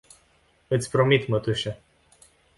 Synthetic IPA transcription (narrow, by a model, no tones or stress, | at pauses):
ɨt̪sʲpɾomit̪mət̪uʃe